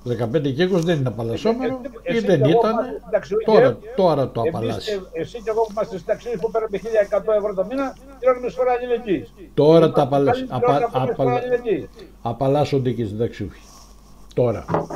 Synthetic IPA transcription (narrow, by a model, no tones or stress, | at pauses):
ðe̞kɐpe̞nd̪ecikosðeninɐpɐlɐso̞menoiðenit̪ɐnid̪ɐkst̪oɾɐt̪o̞ɾɐt̪oɐpɐlɐ̰sesiceɣopumɐst̪est̪id̪ɐksiispupeɾɐd̪eçiʎɐekɐt̪oevɾot̪ominɐ | t̪ɾonmisoɾɐːʎileɟit̪o̞ɾɐt̪ɐpɐlɐsɐɐɐpʎilei | ɐpɐlɐsond̪icist̪id̪ɐksiṵfçi̥ | t̪o̞ɾɐ̰